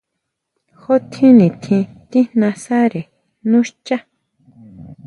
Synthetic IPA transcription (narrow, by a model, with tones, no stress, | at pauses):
xo˦t̪ʰĩ˦nĩ˨t̪ʰĩ˧t̪i˦nnã˧sa˦ɾe˨ | nũ˦ʃt͡ʃa˦